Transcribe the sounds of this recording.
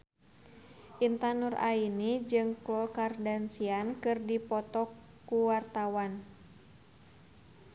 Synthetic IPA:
ʔint̪anura̰inid͡ʒɨŋklɔkardansiankɨrdipɔt̪ɔkː | uwart̪awan

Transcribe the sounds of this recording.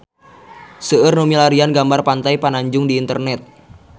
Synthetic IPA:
səərnumilaɾianɡambarpant̪ajpanaɲd͡ʒʊŋdiːnt̪ərnɛt̪̚

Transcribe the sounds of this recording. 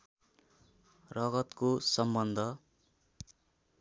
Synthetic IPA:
rʌɡʌt̪kosʌmbʌnd̪ʱʌ

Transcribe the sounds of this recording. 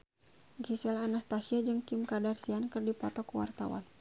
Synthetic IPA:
ɡisɛlanast̪asiad͡ʒɨŋkimkadarsiankɨrdipɔt̪ɔkuwa̰rt̪a̰wa̰n

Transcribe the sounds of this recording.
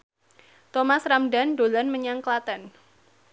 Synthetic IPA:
t̪ɔmasramdandolanməɲaŋklat̪an

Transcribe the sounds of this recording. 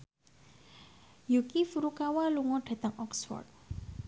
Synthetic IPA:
jukifuɾukawaluŋɔɖ̥a̤t̪əŋɔksfɔ̰rt̪̚

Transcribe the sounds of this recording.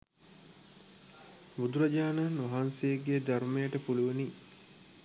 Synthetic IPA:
bud̪uɾɐd͡ʒaːnaːnʋɐɦansejeɡeːd̪aɾumejəʈəpuluʋeni

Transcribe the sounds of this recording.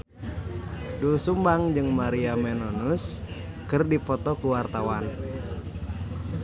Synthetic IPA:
dulsumbaŋd͡ʒɨŋmaɾiamɛnɔnuskɨrdifɔt̪ɔkuwart̪awan

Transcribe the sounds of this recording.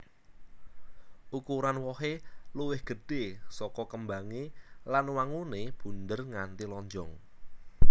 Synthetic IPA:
ukuɾanwɔɦeluwɪhɡ̥ə̤ɖ̥esɔkɔkəmbaŋelanwaŋuneb̥ṳnd̪ərŋant̪ilɔɲd͡ʒɔŋ

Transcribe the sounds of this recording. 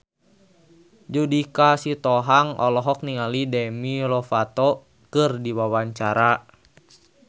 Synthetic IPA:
d͡ʒudikasit̪ɔɦaŋɔlɔɦɔk̚niŋalidɛmilɔfat̪ɔ | kɨrdiwawaɲt͡ʃaɾa

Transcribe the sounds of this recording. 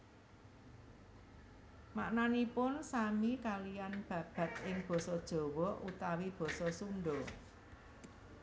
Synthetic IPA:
maʔnanipʊnsamikalijanb̥ä̤b̥ä̤t̪̚ɪŋb̥ɔ̤sɔd̥ʒ̥ɔ̤wɔʔut̪awib̥ɔ̤sɔsunɖɔ

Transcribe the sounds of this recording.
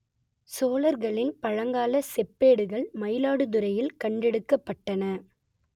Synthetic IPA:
soːlɐɾɣɐɭɪnpɐɻɐŋɡaːlɐsɛpːeːɽɯɣɐɭmɐɪlaːɽɯðʊɾɐjɪlkɐɳɖɛɽɯkːɐpːɐʈːɐnɐ

